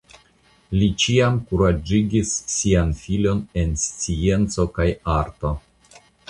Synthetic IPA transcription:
lit͡ʃiamkuɾad͡ʒiɡisːianfilo̞ne̞nst͡sient͡so̞kajaɾto̞

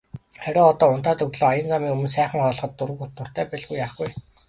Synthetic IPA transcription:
χæɾʲʊːɔt̪ɔːʊnt̪aːt̪ɵɣɮoːajə̆nt͡samiːŋɵmɵ̆nsæːχə̆ŋχɔːɮχɞ̆t̪ːʊɾɘ̆kut̪ːʊ̆r̥t̪æːpɛɮɡujːaːχɡuj

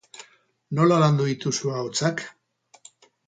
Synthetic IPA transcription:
no̞laland̪uðit̪usuaot͡sak

